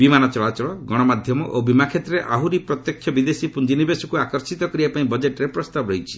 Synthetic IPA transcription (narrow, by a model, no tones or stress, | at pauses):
bimanɔt͡ʃɔɭat͡ʃɔɭɔɡɔɽ̃ɔmad̪ʱjɔmɔʔobimakʰet̪ɾeʔaɦuɾipɾɔt̪jɔkʰjɔbid̪esipund͡ʒinibesɔkuakɔɾsit̪ɔkɔɾibapaĩbɔd͡ʒeʈɾepɾɔst̪abɔɾɔɦjt͡ʃʰi̥